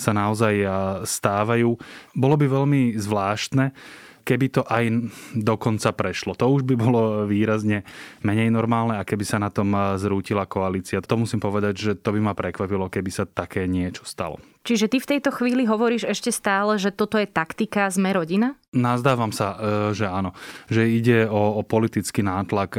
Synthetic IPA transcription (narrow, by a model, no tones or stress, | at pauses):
sanaɔzajst̪aːʋajuːbɔlɔbiʋɛʎmizʋlaːʃt̪nɛkɛbit̪ɔʔajd̪ɔkɔnt͡sapɾɛʃlɔt̪ɔuʒbibɔlɔʋiːɾazɲɛmɛɲɛjnɔɾmaːlnɛakɛbisanat̪ɔmzɾuːcilakɔaliːt͡siat̪t̪ɔmusimpɔʋɛd̪aɟʒɛt̪ɔbimapɾɛkʋapilɔkɛbisat̪akɛːɲɪɛt͡ʃɔ̥st̪a̰lɔ̰ | t͡ʃiʒɛt̪ift̪ɛjt̪ɔxʋiːliɦɔʋɔɾiːʒɛʃcɛst̪aːlɛʒɛt̪ɔt̪ɔjɛt̪akt̪ikazmɛɾɔɟina | nazd̪aːʋamsaʒɛanɔʒɛiɟɛɔpɔlit̪it͡skinaːt̪lak